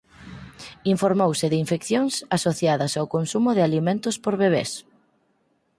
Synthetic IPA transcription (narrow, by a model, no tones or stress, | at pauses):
iɱfoɾmowsɪðɪiɱfekθjoŋsasoθjaðɐsawkonsumʊðɪalimẽnt̪ʊspoɾβeβ̞es